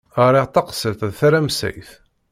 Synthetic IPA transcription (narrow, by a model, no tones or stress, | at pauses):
əɾiʁt̪ɑqsəlt̪ðθaɾamsæ̰jθ